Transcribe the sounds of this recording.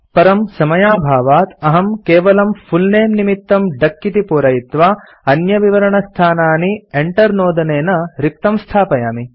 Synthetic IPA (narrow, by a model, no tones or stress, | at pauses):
pɐɾɐmsɐmɐjaːbʱaːʋaːt̪ɐɦɐmkeːʋɐlɐmfʰulneːmnimit̪ːɐmɖɐkːit̪ipuːɾɐjit̪ʋaː | ɐnjɐʋiʋɐɾɐɳɐst̪ʰaːnaːnieɳʈɐɾnoːd̪ɐneːnɐɾik̚t̪ɐmst̪ʰaːpɐjaːmi